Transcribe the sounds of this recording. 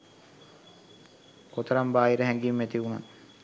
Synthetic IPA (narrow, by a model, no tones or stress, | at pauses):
ot̪əɾambaːiɾəɦɛŋɡimːæt̪iʋunan